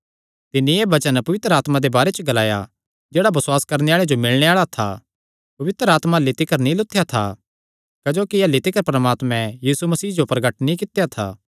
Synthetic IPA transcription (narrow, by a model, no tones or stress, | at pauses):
t̪ɪnːĩeːbɐt͡ʃənpɐʋɪt̪ɾəaːt̪mad̪ebaːɾet͡ʃəɡɐlaːja̰ | d͡ʒeːɽabɐsʊwaːskɐɾneaːɭed͡ʒomɪlɽ̃eaːɭat̪ʰa̰ | pɐʋɪt̪ɾəaːt̪malːit̪ɪkəɾnĩlʊt̪ʰːejat̪ʰa̰ | kɐd͡ʒoːkiɐːlːit̪ɪkəɾpɾəmaːt̪mɛ̃jiːsumɐsiːd͡ʒopɾɐɡəʈnĩkɪt̪ejat̪ʰa̰ː